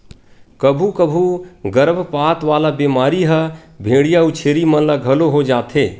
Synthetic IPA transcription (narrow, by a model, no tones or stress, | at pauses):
kəbʱukəbʱuɡəɾəbʱpat̪ʋalabemaːɾiɦəbʱeːɽijaut͡ʃʰeːɾimənlaɡʱəloɦod͡ʒaːt̪ʰe